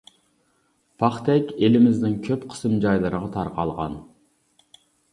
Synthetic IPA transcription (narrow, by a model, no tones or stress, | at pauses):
pʰɑχt̪ʰɛkʲelɪmɪznɪŋkʲʰøpqʰə̥sɨmd͡ʒɑjlˠɨɾəʁɑt̪ʰɑɾqɑlˠʁɑ̰n